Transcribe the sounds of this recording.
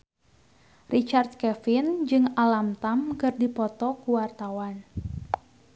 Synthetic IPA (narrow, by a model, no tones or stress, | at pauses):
rʔit͡ʃart̪̚kɛfind͡ʒɨŋalamt̪amkɨrdipɔt̪ɔkuwart̪awan